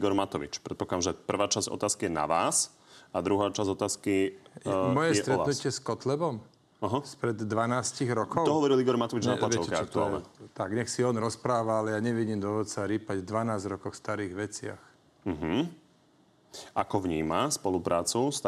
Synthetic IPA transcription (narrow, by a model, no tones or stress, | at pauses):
iɡɔɾmat̪ɔʋḭt͡ʃpɾɛt̪̚pɔkad̪amʒɛpr̩ʋaːt͡ʃaz̥ɔ̰t̪aːskijɛna̰ʋaːs | ad̪ɾuɦaːt͡ʃazɔt̪aːskijmɔjɛssɛʔ̪ɾɛanucɪɛskɔt̪lɛbɔm | aɦɔspɾɛd̪ːʋanaːsciɣɾɔkɔʊɔɦɔʋɛɾiliɡɔɾmat̪ɔʋid͡ʒnalat͡ʃɛɔlɛakt̪ualɛɛ̰t̪aɡɲɛxsiɔnɾɔspɾaːʋaalɛjaɲɛʋiɟiːmd̪ɔʋɔt͡saɾiːpaɟd̪ʋanaːzɾɔkɔxwfst̪aɾiːɣʋɛt͡sɪa̰x | m̩ɦm̩ | ʔakɔʋɲiːmaspɔlupɾʔaːt͡sust̪